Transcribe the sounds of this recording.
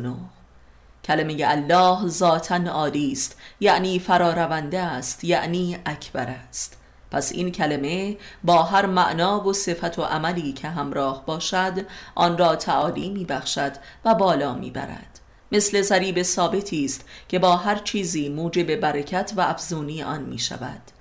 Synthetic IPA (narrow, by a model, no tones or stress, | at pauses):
noh | cʰælemejeælːɒːɦzɒːt̪ʰænɒːliːst̪jæʔniːfæɾɒːɾævænd̪eæst̪jæʔniːʔæcʰbæɾæst̪ | pʰæsḭncʰæleme̞bɒːɦæɾmæʔnɒːvo̞se̞fæt̪ʰoʔæmæliːcʰe̞ɦæmɾɒːhbɒːʃæd̪ʔɒːnrɒːt̪ʰæʔɒːliːmiːbæxʃæd̪̥ | væbɒːlɒːmḭːbæ̰ɾæ̰d̪̥ | me̞sle̞zæɾiːbe̞sɒːbe̞t̪ʰiːst̪cʰe̞bɒːɦæɾt͡ʃʰiːziːmuːd͡ʒe̞be̞bæɾecʰæt̪ʰvæʔæfzuːniːʔɒːnmḭːʃæ̰væ̰d̪̥